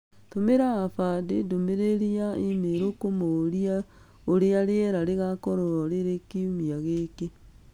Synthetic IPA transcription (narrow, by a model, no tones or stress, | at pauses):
t̪omeɾaːfadedomeɾeɾiaimeɾokomoɾia | oɾeaɾeɛɾaɾeɣakɔɾɔɾɔɾeɾekiumiaɣeke